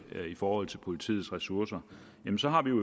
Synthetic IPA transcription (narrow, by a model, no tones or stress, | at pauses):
ifɒːhɒ̽l̰t͡sʰe̝lpʰo̝lit͡sʰḭːð̩ˠsʁɛsuɐsɐ | jemnsɒ̽ɦɑ̈ʋijo